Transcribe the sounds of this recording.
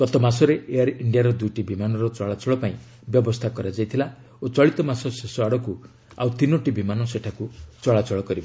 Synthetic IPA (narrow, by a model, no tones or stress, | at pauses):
ɡ̥ɔt̪ɔmasɔɾeeaɾiɳɖijaɾɔd̪ujʈibimanɔɾɔt͡ʃɔɭat͡ʃɔɭɔpaĩ | bjɔbɔst̪ʰakɔɾad͡ʒajt̪ʰila | ot͡ʃɔɭit̪ɔmasɔsesɔaɽɔku | a̰wt̪inɔʈibimanɔseʈʰakut͡ʃɔɭat͡ʃɔɭɔkɔɾibɔ